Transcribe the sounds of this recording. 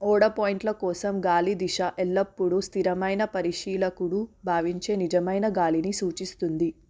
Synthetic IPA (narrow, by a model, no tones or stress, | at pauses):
ɔːɽɐpɔːjiɳʈlɐkɔːsɐmɡaːlid̪iʃɐʔelːɐpːuɽust̪ʰiɾɐmɐjnɐpɐɾiʂiːlɐkuɽubʱaːʋiɲt͡ʃe̞ːnid͡ʒɐmɐjnɐɡaːlinisuːt͡ʃist̪und̪i